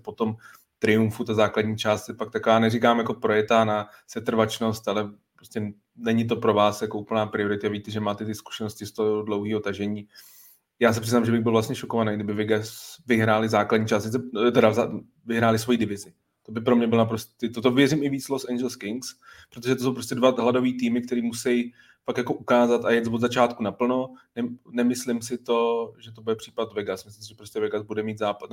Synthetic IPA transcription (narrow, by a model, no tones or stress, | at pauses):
pot̪om | t̪ɾɪjuɱfut̪azaːkladɲiːt͡ʃaːst̪sɛpak̚t̪akovaːnɛrikaːmjakopɾo̞jɛt̪aːnasɛt̪r̩vat͡ʃno̞st̪alɛpɾoscʲɛ | nɛɲɪt̪̬o̞pɾo̞vaːsjakoʔupl̩naːpɾɪo̞ɾɪt̪ɪavit̪ɛʒɛmaːt̪ɛt̪ɪsku̥ʃɛnoscɪst̪oodlo̞wɦiːɦo̞t̪aʒɛɲiː | jaːs̬ɛpr̥ɪznaːmʒɛbɪɣbɪlvlast̪ɲɛʃokovanejɡdɪbɪvɪɡvɪɦɾaːlɪzaːkladɲiːt͡ʃaːst̪sɪt͡sɛt̪ɛɾaza | vɪɦɾaːlɪsvo̞jiːdɪvɪzɪ | t̪o̞bɪpɾo̞mɲɛbɪlnapɾosɪt̪ot̪ovjɛrɪmɪviːt͡slosʔɛnd͡ʒɛlskɪŋkspɾot̪̬oʒɛt̪os̬owpɾo̞s̬tcɛdvaɦlado̞viːt̪iːmɪk̚t̪ɛɾiːmusɛj | fakjako̞ʔukaːzat̪ajɛt͡svod̪zat͡ʃaːt̪kunapl̩no̞nɛnɛmɪslɪmsɪt̪o̞ʒɛt̪̬obudɛpr̝̥iːpat̪vɛɡasmɪslɪmsɪʒɛpɾo̞scɛvɛɡazbudɛmiːt̪zaːpat̪